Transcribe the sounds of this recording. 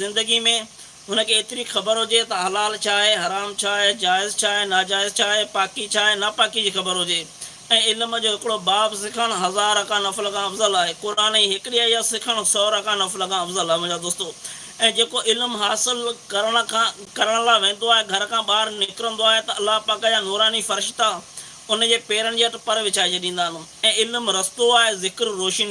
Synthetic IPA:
zɪ̃nd̪əɡimẽ | ɦʊnə̆kʰeːt̪ɪɾixɐbəɾɦʊd͡ʑet̪ɐɦɐlaːlt͡ɕʰaːɦeɦɐɾaːmt͡ɕʰaːɦed͡ʑaːɪzt͡ɕʰaːɦenaːd͡ʑaːɪzt͡ɕʰaːɦepaːkit͡ɕʰaːɦenɐpaːkid͡ʑiːxɐbəɾɦʊd͡ʑeː | ɛ̃ːɪlmd͡ʑoːɦɪkɪɽobaːbsɪkʰəɽ̃ɦɐzaːɾəkãnɐflkʰãɐfzəlaːɦekʊɾaːniɦɪkɪɗijaijasɪkʰəɽ̃sɔːɾɐkãnɐflkʰãɐfzəlaːɦʋ̃ə̃d͡ʑad̪oːst̪o | ɛ̃ːd͡ʑeːkoʔɪlmɦaːsɪlkɐɾəɽ̃əkʰãkɐɾəɽ̃laːʋẽːn̆d̪oaːɦeɡʱɐɾkʰãːɓaːɾnɪkɾə̃nd̪oaːɦet̪ɐɐlːapaːkd͡ʑãnɔːɾaːnifɐɾɪʃt̪a | ʊnd͡ʑeːpeːɾəɽ̃ɪ̆d͡ʑiːɐʈpɐɾʋɪt͡ɕaːid͡ʑeːɗĩːn̆d̪aːɦnʊ̃ɛ̃ːɪlmɾɐst̪oaːɦezɪkɾɾoːʃin

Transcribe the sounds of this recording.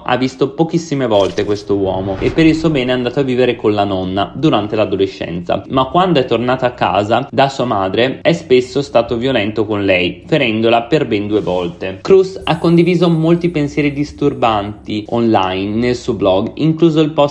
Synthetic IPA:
ʔa̰vːist̪opok̟isːimevɔlt̪ekwest̪owɔːmoʔepːeɾilsuːobɛːneɛand̪aːt̪oavːiːveɾekonlanɔnːad̪uɾant̪elad̪oleʃːɛ̰nt̪sa̰makːwand̪oɛt̪ːornaːt̪aakːa̰ːzad̪asuːamaːd̪ɾeɛspesːost̪aːt̪ovjolɛnt̪okonlɛjfeɾɛnd̪olaperbɛnd̪uːevɔlt̪ekɾusakːond̪iviːzomolt̪ipensjɛːɾid̪ist̪urbant̪ionlajnːelsuoblɔɡiŋkluːzoilpɔ

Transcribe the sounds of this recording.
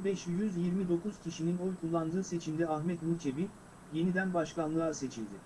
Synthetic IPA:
bɛʃjyzjiɾmid̪o̞kʰuz̥cʰiʃininojkʰulˠːand̪ɯːse̞t͡ʃʰimd̪ɛaxmɛt̪muɾʲt͡ʃʰe̞bi | je̞nid̪ænbaʃkanlˠɯase̞t͡ʃʰilʲd̪ɪ

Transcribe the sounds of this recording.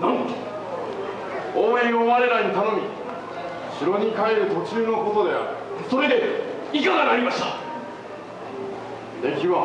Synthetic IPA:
nãŋ | oːẽɰ̃oβaɾe̞ɾaɲit̪ano̞mʲi | ɕiɾo̞ɲ̟ikaeɾɯ̟t̪o̞t͡ɕɨːno̞ko̞t̪o̞d̪e̞a̰ɾɯso̞ɾe̞d̪e̞ | ikaɡanaɾʲimaɕi̥t̪a | d̪e̞kʲiβa

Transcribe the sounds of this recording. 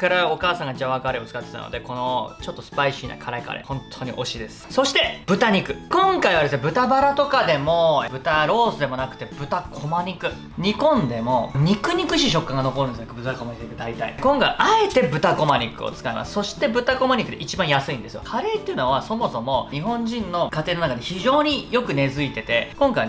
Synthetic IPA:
kaɾaokaːsãŋɡad͡ʑaβakaɾeot͡sɨ̥kat̪ːe̞t̪a̰no̰d̪e̞ko̞no̞t͡ɕo̞t̪ːosɨ̥paiɕiːna̰kʰaɾaika̰ɾḛhõ̞nt̪ʰːo̞ɲ̟ḭʔo̞ɕid̪e̞sɨ̥so̞ɕi̥t̪e̞b̥ɯ̟t̪aɲ̟ikɯ̟kõ̞ŋkaiβad̪esɨnebɯ̟t̪abaɾat̪o̞kad̪e̞mo̞bɯ̟t̪aɾo̞ːsɨd̪e̞mo̞nakɯ̟t̪e̞bɯ̟t̪akʰo̞maɲ̟ʲikɯ̟ | ɲ̟ikõ̞nd̪e̞mo̞ɲ̟ikɯ̟ɲ̟ʲikɯ̟ɕiɕ̬o̞kːãŋɡano̞ko̞ɾɯ̟nesonakːbɯ̟t̪akomaɲiet̪ed̪ait̪a̰ḭkõŋkaiʔae̞t̪e̞bɯ̟t̪ako̞maɲ̟ʲikːɯ̰o̰t͡sɨ̥kaimʔa̰sɨ̥so̞ɕi̥t̪e̞bɯ̟t̪ako̞maɲ̟ʲikɯ̟d̪eʔit͡ɕibãɰ̃jasɨĩnd̪e̞sɨjo̰kʰaɾe̞ːt̪ːeiɯ̟noβaso̞mo̞so̞mo̞ɲiɦõ̞ɲ̟d͡ʑĩnːo̞kat̪e̞ːnonakad̪e̞çiʑo̞ːɲ̟ijo̞kɯ̟ne̞zɨit̪e̞t̪e̞kõ̞ŋkaij

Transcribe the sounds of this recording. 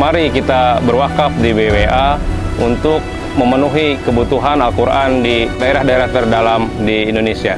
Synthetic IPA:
maɾikit̪abərwakafdibeweaunt̪ʊk̚ | məmənuɦikəbut̪uɦanalkuɾʔandidaeɾahdaeɾaht̪ərdalamdiːndonesia

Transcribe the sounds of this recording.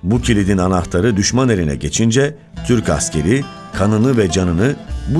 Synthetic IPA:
bucʰilʲid̪inanaft̪ʰaɾɯd̪yʃmane̞ɾinɛ̰ɟe̞t͡ʃʰind͡ʒɛ | t̪ʰyɾca̰scʰe̞ɾi | kʰanɯnɯvɛd͡ʒanɯnɯb

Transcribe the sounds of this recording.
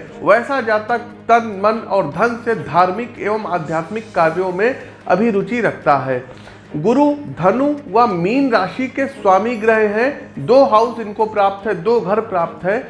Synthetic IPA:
ʋɛːsad͡ʒaːt̪a | t̪ɐnmɐnɔːɾd̪ʱɐnsed̪ʱaːɾmɪkeːʋəmaːd̪ʱjaːt̪mɪkːaːɾjõmẽ | ɐ̰bʱiɾʊt͡ʃiɾɐkʰt̪aɦɛː | ɡʊɾud̪ʱɐnuʋɐmiːnɾaːʃikeswaːmiɡɾəɦẽɦɛ̃d̪oːɦaʊsɪnkopɾaːp̚t̪ɦɛd̪oːɡʱɐɾpɾaːp̚t̪ɦɛː

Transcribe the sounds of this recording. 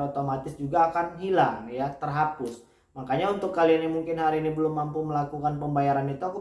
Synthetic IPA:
ot̪omat̪ɪsd͡ʒuɡaːkanɦilaŋjat̪ərɦapʊs | makaɲaunt̪ʊkːaliinimuŋkɪnɦaɾiːnibəlʊmːampuməlakukanpəmbajaɾanit̪uaku

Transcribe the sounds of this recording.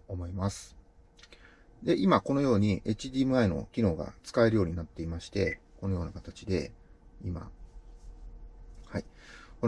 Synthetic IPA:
omo̞imasɨ̥ | d̪e̞ʔimako̞no̞jo̞ːɲ̟iʔe̞t͡ɕid̪ʲimɯ̟aino̞̰kʲino̞ːɡa̰t͡sɨ̥kae̞ɾɯ̟jo̞ːɲ̟inat̪ːe̞imaɕi̥t̪e̞ko̞no̞jo̞ːnakat̪at͡ɕid̪e̞ima̰ | haiko

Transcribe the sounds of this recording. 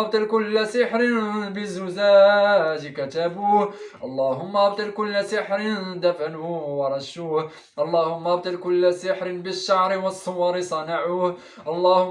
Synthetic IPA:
bt̪ˤɨlkʊlːasɪħɾɪnbɪzːʊzaːd͡ʒkæt̪abuːhʔɑlˤːɑːɦʊmːæʔbt̪ˤɨlkʊlːasɪħɾɪnd̪afanuwɑɾˤɑʃuːh | ʔɑlˤːɑːhʊmːæbt̪ˤɨlkʊlːasɪħɾɪnbəʃːɑʕɾɪwɑsˤːʊwɑɾɪsˤɑnɑʕuh | ʔɑlˤːɑːhʊ

